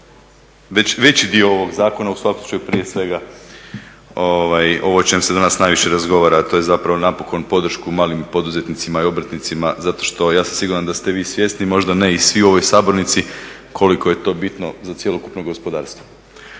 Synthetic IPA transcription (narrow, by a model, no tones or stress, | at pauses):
ʋet͡ɕʋe̞t͡ɕid̪io̞o̞ʋo̞ɡzaːko̞nausʋakomsu̥t͡ʃajupɾije̞sʋe̞ɡa | oʋajo̞ʋo̞t͡ʃe̞msed̪anasnajʋiʃe̞ɾazɡo̞ʋaːɾat̪o̞je̞zapɾaʋo̞napo̞ko̞npo̞d̪r̩ʃkumaːlimpo̞d̪uze̞t̪nit̪simaio̞bɾ̩t̪nit̪simazat̪o̞ʃt̪o̞jaːsamsiɡuɾand̪ast̪e̞ʋiːsʋje̞st̪nimo̞ʒd̪ane̞isʋiuo̞ʋo̞jsaːbo̞ɾnit̪si | kʰo̞liko̞je̞t̪o̞ːbit̪no̞zat̪sje̞lo̞kupnoɡo̞spo̞d̪aːɾst̪ʋo̞